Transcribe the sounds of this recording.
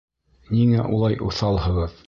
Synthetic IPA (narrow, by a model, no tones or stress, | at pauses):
niŋæʔulˠɑjʔuθɑlˠhɤ̆ʁɤð